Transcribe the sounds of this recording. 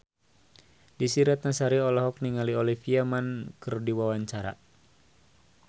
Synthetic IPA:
disiɾat̪̚nasaɾiɔlɔɦɔk̚niŋaliɔlifiamankɨrdiwawaɲt͡ʃaɾa̰

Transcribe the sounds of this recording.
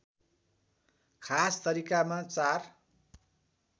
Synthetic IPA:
kʰast̪ʌɾikamat͡sar

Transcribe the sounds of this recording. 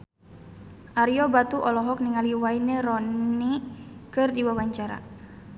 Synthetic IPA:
ʔaɾiɔbat̪uʔɔlɔɦɔk̚niŋaliwainɛɾɔnikɨrdiwawaɲt͡ʃaɾa̰

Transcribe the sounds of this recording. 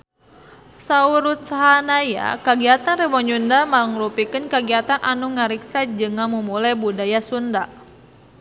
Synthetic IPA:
sauɾut̪̚saɦanaja̰kaɡiat̪anrɛbɔɲundamalŋlupikɨnkaɡiat̪anʔa̰nuŋaɾiksad͡ʒɨŋamumulabudajasunda

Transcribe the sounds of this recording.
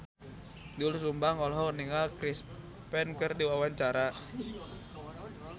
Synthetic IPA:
dulusumbaŋɔlɔɦɔŋniŋalkɾis | pɛnkɨrdiwawaɲt͡ʃaɾa

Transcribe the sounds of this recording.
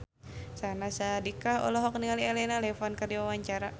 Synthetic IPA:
sanasadikaɔ̰lɔɦɔk̚niŋaliɛlɛnalɛfɔnkərdiwawaɲt͡ʃaɾa

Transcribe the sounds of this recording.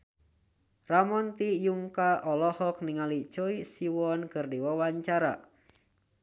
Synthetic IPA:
ramɔnt̪ijuŋkaʔɔlɔhɔk̚niŋalit͡ʃɔisiwɔnkɨrdiwawaɲt͡ʃaɾa̰

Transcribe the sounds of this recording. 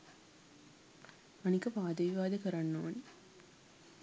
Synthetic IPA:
ɐnɪkːɐpaːðɐʋɪʋaːðɐkɐɾɐnːoːn

